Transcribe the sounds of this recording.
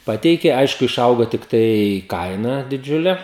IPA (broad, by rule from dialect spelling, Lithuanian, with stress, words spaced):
ˈpɑːtʲɛɪkʲeː ˈɐɪʃkʊ ɪˈʃɐʊɡoː tʲɪkˈtɐɪ ˈkɐɪnɐ dʲɪˈd͡ʒʲʊlʲɛ